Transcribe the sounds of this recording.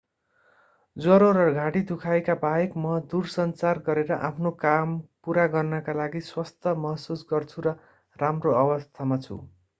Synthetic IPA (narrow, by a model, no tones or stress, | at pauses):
d͡zʌɾoɾʌɡʱãɽid̪ʱukʰajkabajekmʌd̪ursʌnt͡sarɡʌɾeɾʌʔapʰnokampuɾaɡʌrnʌkalaɡiswʌst̪ʰʌmʌɦsusɡʌrt͡sʰuɾʌ | ramroʌbʌst̪ʰamat͡sʰṵ